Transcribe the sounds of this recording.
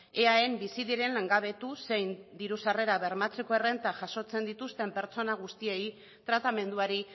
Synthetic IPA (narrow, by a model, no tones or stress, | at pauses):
eae̞mbisiðiɾe̞nleŋɡaβ̞e̞t̪use̞jnd̪iɾusare̞ɾaβe̞ɾmat͡se̞ko̞ere̞nt̪aʝaʃo̞t͡se̞nd̪it̪ust̪e̞mpe̞ɾt͡so̞naɣ̞ust̪ie̞j | t̪ɾat̪ame̞nd̪uaɾi